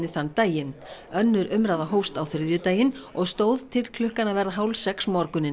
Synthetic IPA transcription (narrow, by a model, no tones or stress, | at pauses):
ɪθanːt̪aːjɪnœnːʏɾʏmɾaːðaɦowst̪awθɪɾðjʏt̪aːjɪnɔɣst̪oːwð̥t̪ʰɪlkʰl̥ʏhkanavɛɾðaɦaːwlsɛksmɔɾkʏnɪn